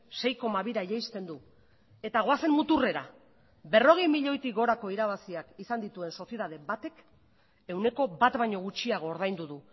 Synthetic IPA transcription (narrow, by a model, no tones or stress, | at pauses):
se̞jko̞maβiɾaijejst̪e̞nd̪u | e̞t̪aɣ̞o̞ase̞mmut̪ure̞ɾa̰ | βe̞ro̞ɣ̞ejmiʎo̞jt̪iɣo̞ɾako̞iɾaβ̞asiakisand̪it̪ue̞nso̞sje̞ðað̞e̞βat̪e̞k | e̞wne̞ko̞bat̪βajɲo̞ɣut͡ʃiaɣ̞o̞ːɾð̞ajnd̪uðu